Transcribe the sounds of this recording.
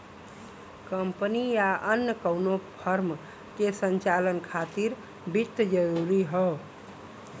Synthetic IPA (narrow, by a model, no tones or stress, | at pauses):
kəmpənijaʔənjəkəwnopʰəɾm | kesənt͡ʃalənkʰat̪iɾ | bit̪ːd͡ʒəɾuɾiɦɔ